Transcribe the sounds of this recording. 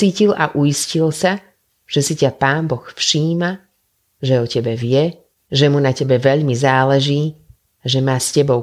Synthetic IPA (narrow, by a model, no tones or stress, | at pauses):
iːcila̰ʔuiscilsa | ʒ̥ɛsicapaːnbɔxfʃiːma | ʒɛɔcɛbɛʋɪɛ | ʒɛmunacɛbɛʋɛʎmizaːlɛʒiː | ʒɛmaːscɛbɔʊ